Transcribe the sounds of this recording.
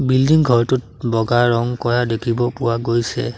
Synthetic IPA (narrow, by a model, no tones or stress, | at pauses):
bildiŋɡʱɔɹtʊt̚ | bɔɡaɹɔŋkɔɹadekʰibɔpʊwaɡojsɛ̰